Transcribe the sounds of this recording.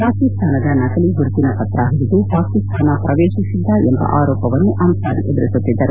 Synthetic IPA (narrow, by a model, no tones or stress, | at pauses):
paːkist̪ʰaːnɐd̪ɐnɐkɐliɡuɾut̪ːinɐpɐt̪ɾaːɦiɾid̪upaːkist̪ʰaːnɐpɾɐʋeːʃisid̪ːɐembɐ̰ʔaːɾɔːpɐʋɐnːuʔɐmsaːɾiʔed̪ɾut̪ːut̪ːid̪ːɐɾu